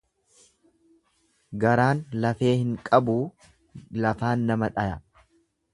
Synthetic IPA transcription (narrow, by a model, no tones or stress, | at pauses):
ɡɐɾaːnlɐfe̞ːhɪŋkʼɐbuː | lɐfaːnːɐmɐᶑɐjɐ